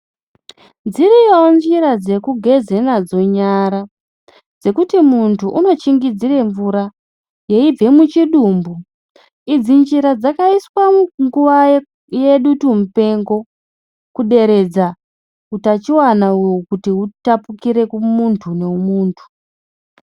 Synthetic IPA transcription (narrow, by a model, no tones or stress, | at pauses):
nd͡ziɾijond͡ʒiɾad͡ze̞kuɡʱe̞ze̞nad͡zo̞ɲaɾa | d͡ze̞kutimuntʰuʔuno̞t͡ʃiŋɡid͡zire̞ɱvuɾa | je̞ib͡ve̞mut͡ʃiɗuːmbu | id͡zind͡ʒiɾad͡zakaiswauŋɡuʋa | jeɗutumupe̞ŋɡo̞ | kuɗe̞ɾe̞d͡za | kutat͡ʃiwanaujokutiɦutapukiɾe̞kumuntʰune̞umuːntʰu̥